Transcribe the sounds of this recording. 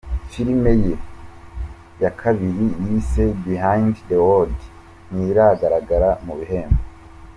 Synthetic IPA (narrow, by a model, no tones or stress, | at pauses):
fiɾimeje | jakʰaβiɾijisebihajnddewod | niɾaɡaɾaɡaɾamuβiɦe̞ːmbo